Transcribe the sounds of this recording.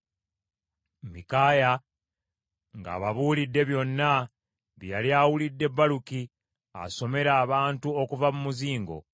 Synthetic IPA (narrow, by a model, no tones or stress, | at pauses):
mikaːja | ŋɡa̰ːβaβuːlidːe̞βjo̞nːa | βjaliaːwulidːe̞bːaluki | a̰so̞me̞ɾaːβaːntuokuvamumuziːŋɡo̞̰